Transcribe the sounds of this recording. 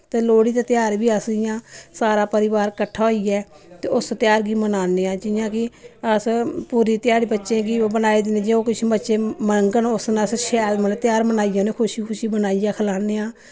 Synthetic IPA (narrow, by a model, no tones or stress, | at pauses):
t̪eːloːɽiːt̪eːt̪ɪjaːɾbiːəsɪjãːsaːɾaːpəɾɪʋaːɾkəʈʰːaːɦoiːɛː | t̪eːʊst̪ɪjaːɾɡiːmənaːneːãːd͡ʒɪjãːkɪəspuːɾiːt̪ɪjaːɾiːbətːʃẽːɡiobənaːeːd̪ɪnẽːd͡ʒeːoːkɪt͡ʃʰːbətːʃẽːməŋɡənʊsnəsʃɛːmənːt̪ɪjaːɾmənaːijãːneːkʰʊʃiːkʰʊʃiːbənaːijãːkʰəlaːneːãː